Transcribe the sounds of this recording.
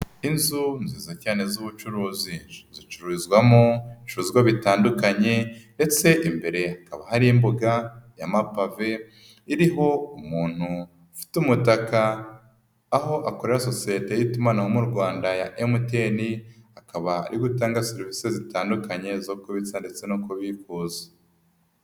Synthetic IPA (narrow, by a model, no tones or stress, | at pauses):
inzunziːzacaːne̞zuβut͡ʃuɾuːzizit͡ʃuɾuzɡwamoiʃuɾuzɡwaβitaːndukaɲe̞nde̞t͡se̞ʔimbe̞ɾe̞hakaβahaɾiimbuɡaja̰mapave̞ | iɾiɦo̞umuːn̥hu | fi̥tumutakaː | ɦo̞ʔakoɾeɾaso̞siete̞jitumanahomuɾɡwaːndaja̰ʔemute̞nihakaβa̰ɾiɡutaːŋɡaseɾvisezitaːndukaɲe̞zokoβit͡sande̞t͡se̞nokoβikuːze̥